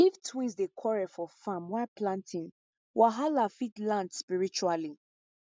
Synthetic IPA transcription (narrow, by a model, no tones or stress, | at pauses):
iftʰwĩnsdekʰɔɹɛfɔfamwaplãntʰĩn | wʔaɦalafitlãntspiɹit͡ʃuali